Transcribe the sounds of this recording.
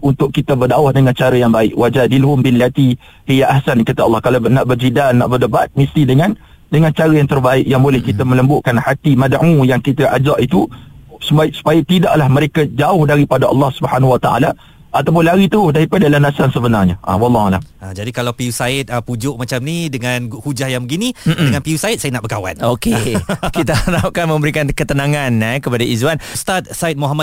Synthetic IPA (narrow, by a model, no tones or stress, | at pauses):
unt̪ʊʔkːit̪əbərdaʊhdəŋant͡ʃaɾəjaŋbaɪʔwad͡ʒadilɦʊmbiljat̪i | hijaʔahsankat̪aɑlːɑhkalawnaʔbərd͡ʒidalna̰ʔbərdəbat̪̚mist̪idəŋãn | dəŋant͡ʃaɾəjaŋt̪ərbaɪʔjaŋbolɛhkit̪əmə̃ləmbʊʔkanhat̪imadʕũjaŋkit̪aʔad͡ʒaʔit̪usubaɪʔsu̥pajat̪idaʔlahməɾekad͡ʒaʊhdaɾipadaʔɑ̰lːɑhsubəhanwat̪a̰ʔa̰la | ʔat̪awp̬ʊnlaɾit̪aɦʊhdaɾipadalanasansəbənarɲəʔa̰wɑlːɑhala̰mʔad͡ʒadikalawpiusaɪt̪̚əpud͡ʒʊʔmat͡ʃamnidəŋãnɡhud͡ʒahjaŋbəɡinĩdəŋanpiusaɪt̪̚sajanaʔbəkawa̰nokekit̪ənap̚kanmə̃mbəɾikankət̪ənãŋãnkəpadaʔizwanst̪at̪̚saɪt̪̚moɦama